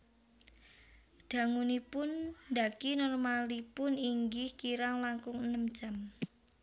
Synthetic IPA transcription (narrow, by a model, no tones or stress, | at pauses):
d̪̥ä̤ŋunipʊnːd̪akinɔrmalipʊniŋɡɪhkiɾaŋlaŋkʊŋənəmd̥ʒ̥a̤m